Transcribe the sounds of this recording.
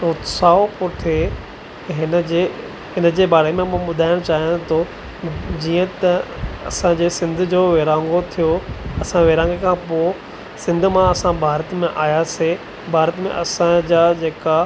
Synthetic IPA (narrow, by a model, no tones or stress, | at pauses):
ʊːt̪saːopoːʈʰe | ɦɪnəd͡ʑe | ɦɪnəd͡ʑeːbaːɾemẽɓʊd̪ʱaːɪɽ̃t͡ɕaːɦijãt̪ʰo | d͡ʑiːə̃t̪ɐɐ̰sãd͡ʑeːsɪ̃nd̪ʱd͡ʑoːʋeːɾãːŋɡot̪ʰijoɐsãʋeːɾãːŋɡekʰãpoː | sɪ̃nd̪ʱʊ̆mãɐsãbʱaːɾət̪mẽʔaːjase | bʱaːɾət̪mḛ̃ʔɐsãd͡ʑaːd͡ʑeːka